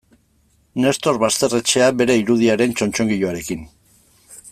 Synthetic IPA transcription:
ne̞st̪o̞ɾβast̪e̞re̞t͡ʃe̞aβe̞ɾe̞iɾuðiaɾe̞nt͡ʃo̞nt͡ʃo̞ŋɡiʎoaɾe̞kin

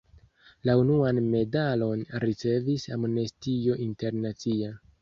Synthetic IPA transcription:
launuanme̞dalo̞nɾit͡se̞visamnestio̞ʔinte̞ɾnat͡sia

